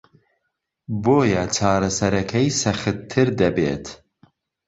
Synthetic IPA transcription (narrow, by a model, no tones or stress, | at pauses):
boːjɛt͡ʃʰɑːɾɐsɐɾɐkʰɛjsɐxɨt̪ʰːɨɾd̪ɐbḛːt̪ʰ